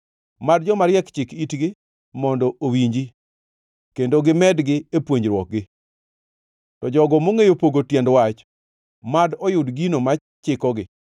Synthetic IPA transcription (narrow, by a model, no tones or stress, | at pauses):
madd͡ʒɔmaɾjɛkt͡ʃɪkitɡɪ | mɔndɔowiɲd͡ʒi | kendoɡɪmɛdɡɪepwoɲd͡ʒɾwɔk̚ɡɪ | tɔd͡ʒɔɡɔmoŋejopoɡotjɛndwat͡ʃ | madɔjʊdɡinoma | t͡ʃɪkɔɡɪ